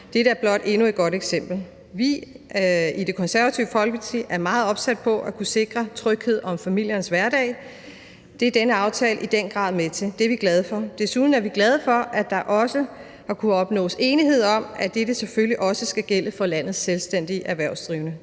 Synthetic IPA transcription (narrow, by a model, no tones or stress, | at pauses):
d̥e̝ɾ̥əæɐb̥lɒ̽d̥e̝nued̥̚ɡ̥ɒ̽ɾ̥eɡ̥sem̰b̥l̩ | ʋi | id̥e̝kʰɒ̽nsæɐʋæt͡sʰiʊəfɒ̽lɡ̥it͡sʰḭʔæɐmɑ̈ːð̞̩ˠɒ̽b̥sæd̥̚pʰɒ̽ʔækʰuse̝ɡ̥ʁɐt͡sʰʁœɡ̥he̝ð̞̰ˠɒ̽mfæmil̰jɐnsʋæɐɾɛ̰ɪ | d̥e̝æɐd̥enəɑ̈ʊt͡sʰɛ̰ːləʔid̥en̰ɡ̥ʁɑ̰̈ːð̰ˠmet͡sʰe̝ld̥e̝ɐʋiɡ̥lɛð̞ˠəfɒ̽d̥e̝suð̞ˠn̩æɐʋiɡ̥lɛð̞ˠəfɒ̽ʔæd̥ɑ̈ʔɒ̽sə | hɑ̈kʰuɒ̽b̥nɔ̰ːse̝ːniɦe̝ð̞̰ˠɒ̽m̰ʔæd̥ed̥əsefølliʔɒ̽səsɡ̥æɡ̥el̰əfɒ̽læn̰ð̞̩ˠselsd̥en̰d̥iʔæɐʋæɐ̰ʊsd̥ʁiːʊnə